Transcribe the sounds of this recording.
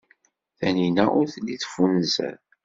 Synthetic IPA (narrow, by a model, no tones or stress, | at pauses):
θæninæʔʊɾθliθfunzæ̰ð